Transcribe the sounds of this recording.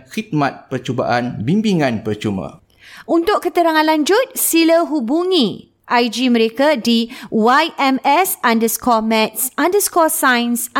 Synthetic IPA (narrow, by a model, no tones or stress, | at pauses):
xit̪̚mat̪̚pərt͡ʃuba̰ʔanbimbiŋãnpərt͡ʃumã̰ | unt̪ʊʔ̚kət̪əɾaŋãnlaɲd͡ʒʊt̪̚siləɦubuŋĩ | ʔajd͡ʒimə̃ɾekadiwajʔɛmɛsandəskɔmɛ̃t̪̚sãndəskɔsãjns